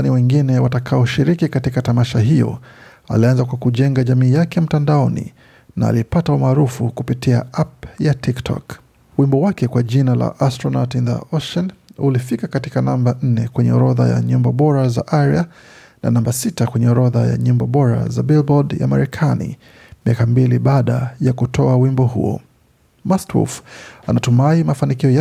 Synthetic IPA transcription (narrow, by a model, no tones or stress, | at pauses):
aniwɛŋɡinɛwatakʰaɔʃiɾikikatikatamaʃaɦijɔ̰ | a̰lianzakwakuʄɛŋɡaʄamiːjakɛm̩tandaɔnḭ | na̰ːlipataumaːɾufukupitiaapjatʰiktʰɔ̰k | wimbɔwakɛkwaʄinala̰ʔastɾɔnatinda̰ɔʃɛnulifikakatikanamban̩nɛkwɛɲɛɔɾɔða̰ja̰ɲimbɔɓɔɾazaʔaɾja | na̰nambasitakwɛɲɛɔɾɔðaja̰ɲimbɔɓɔɾa̰zabilbɔdja̰maɾɛkʰanḭ | miakambiliɓaɗajakutʰɔawimbɔhṵɔ̰ | mastwṵfanatumaimafanikiɔja